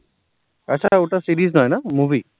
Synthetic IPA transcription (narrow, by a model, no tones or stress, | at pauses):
kasautasiɹiznɔjnamubʱi